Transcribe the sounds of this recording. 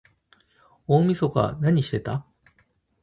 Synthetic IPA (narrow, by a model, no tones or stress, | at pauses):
oːmʲisoka̰naɲ̟iɕi̥t̪e̞t̪a̰